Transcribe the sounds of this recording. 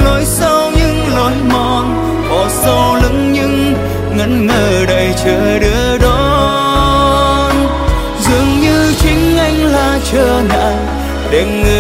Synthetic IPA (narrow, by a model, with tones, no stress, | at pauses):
lo˨˦jsa˧wɲɨ˧˥ŋlɔ˨˦jmɔ˨˩n | hɔ˨˩sa˧wlɨ̰˧˥ŋɲɨ˧ŋ | ŋə̰˧˥nŋəː˨˩ɗə˨˩jt͡ɕəː˧˨˩ɗɨ˨˦əɗɔ˨ | n | zɨ˨˩˨əŋɲɨ˧t͡ɕï˨˦ŋ̟ʔa˧jŋ̟laː˨˩t͡ɕəː˧˩na̰ː˧˨ | ɗe˨˩ŋɨ˨˩